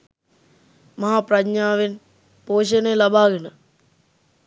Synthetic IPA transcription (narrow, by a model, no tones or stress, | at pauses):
mɐɦaːprɐɲaːʋen | poːɕ̬ɐnelɐbʱaːɡɐnɨ